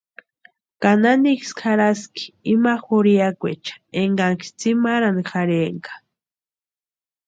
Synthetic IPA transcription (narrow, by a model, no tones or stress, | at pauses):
kananikskʰaɾaski̥imaxoɾijakʷet͡ʃḁeŋɡaŋki̥t͡simaɾanixaɾeŋkḁ